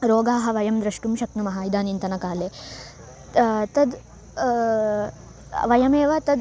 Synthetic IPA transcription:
ɾoːɡaːɦɐ̆ʋɐjɐmd̪ɾɐʂʈumʃɐknumɐɦaːid̪aːnint̪ɐnɐkaːleː | t̪ɐd̪ | ʋɐjɐmeːʋɐt̪ɐd̪

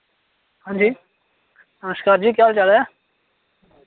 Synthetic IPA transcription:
ɦãːɲd͡ʒiː | nəməʃkaːɾd͡ʒiːkjaːlt͡ʃale

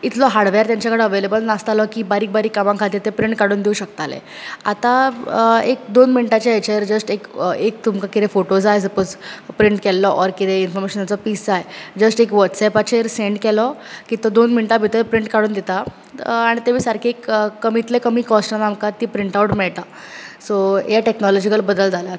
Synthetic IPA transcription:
it̪ʰlɔɦaɽʋɛɾt̪jaɲt͡ɕjakəɽeəʋelebəlnast̪alɔkiːbaɾiːk̚baɾiːkːamãŋkʰat̪iːɾt̪epɾiɳʈ̚kaɽuːnd̪euɕək̚t̪alḛat̪a | ek̚d̪onminiʈat͡ɕeet͡ɕeɾd͡zəsʈekek̚t̪umkakit̪efoʈod͡zajsəpod͡zpɾiɳʈkɛlːɔʔɔɾkit̪einfɔɾmeɕənat͡sɔpiːsd͡zajd͡zəsʈekʋəʈsɛpat͡ɕʰeɾseɳɖkɛlɔkiːt̪ɔd̪onminʈabʱit̪əɾpɾiɳʈkaɽuːnd̪et̪a | aɽ̃it̪emiːsaɾkʰekkːəmit̪lekəmiːkɔsʈanamkat̪iːpɾiɳʈauʈmɛɭt̪a | sojaʈeknɔlɔd͡ʑikəɾbəd̪əld͡zalət̪

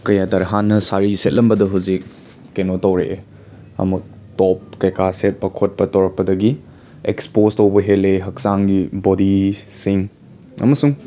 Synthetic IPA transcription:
kɐjatɐɾɦanːɐsaɾiset̚lɐmbɐdɐɦuzik̚ː | enotɐwɾe | ɐ̰mɐ | tɔp̚kɐjkaset̚pɐkʰot̚pɐtɐwɾɐk̚pːɐdɐɡi | ekspostɐwbɐɦeleɦɐk̚saŋɡibɔdisiŋ | ɐ̰mɐsuŋ

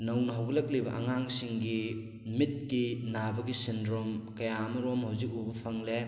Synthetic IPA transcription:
nɐwnɐɦɐwɡɐlɐk̚libɐ̰ʔɐ̰ŋaŋsiŋɡi | mit̚kinabɐɡisindɾomkɐjamɐɾomhawzik̚ubɐpʰɐŋle

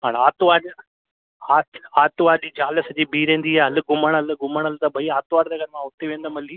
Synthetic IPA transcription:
ɦaːñaːt̪ʋaː | aːt̪aːt̪ʋaːɾɗiːd͡ʑaːləsd͡ʑiːbʱiːɾẽːn̆d̪iɦaɦɐlɡʊməɽ̃ɦɐl̆ɡʊməɽ̃ɐlɪt̪ɐbʱɐiaːt̪ʋaːɾd̪ɐːɡʱɐɾmãːʊt̪eʋẽːnd̪amɐliː

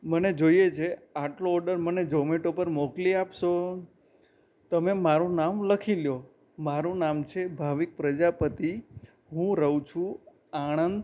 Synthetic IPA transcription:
məned͡ʒoijet͡ʃʰeaʈloɔɾɖəɾməned͡ʒɔmeʈopəɾmɔkliapʃo | t̪əmemaɾũnamləkʰiljo | maɾũnamt͡ʃʰebʱaʋik̚pɾəd͡ʒapət̪i | ɦũɾəũt͡ʃʰũ | aɽ̃ənd̪

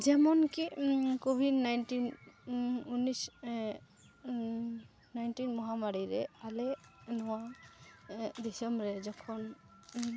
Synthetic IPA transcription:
d͡ʒɛmɔnkikobʱidnajntin | unis | najntinmɔɦamaɾiɾɛalɛnɔwa | disɔmbɹɛzɔkʰɔn

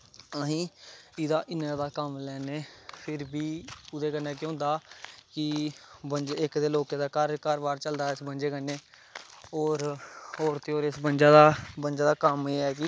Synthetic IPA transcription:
əɦĩːɪd̪aːʔɪnãːd̪aːkəmlɛːneːpʰɪɾbiːʊd̪eːkənːeːk̬j̃ʊ̃ːnd̪aːkɪbənd͡ʒɪkd̪eːloːkeːd̪aːkaɾkaːɾbaːɾt͡ʃəld̪aːɪsbənd͡ʒeːkənːeː | oːɾoːɾt̪eːoːɾɪsbənd͡ʒaːd̪aːbənd͡ʒaːd̪aːkəmeːɛːkɪ

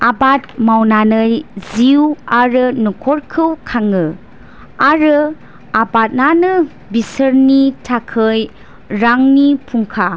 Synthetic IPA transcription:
abat̚mawnanɯjziwaɾɯnukʰɔɾkʰɯwkʰaŋɯ | aɾɯ | abat̚nanɯ | bisɯɾnitʰakʰɯj | ɾaŋnipʰuŋkʰa

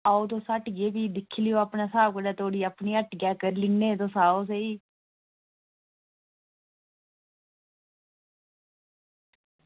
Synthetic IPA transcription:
aːoːt̪oːsəʈɡeːbiːd̪ɪkʰːlɪjoːapɳaːsaːbkəɽaːt̪ʰoːɽiːəpniːəʈɡɛːkəɾlɪnːeːt̪̬õːsaːoːs̬eiː

